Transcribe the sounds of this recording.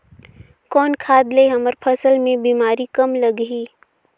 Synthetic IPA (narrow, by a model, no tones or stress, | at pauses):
kɔːnkʰaːd̪leɦɐməɾpʰəsəlmẽbiːmaːɾikɐmləɡɦiː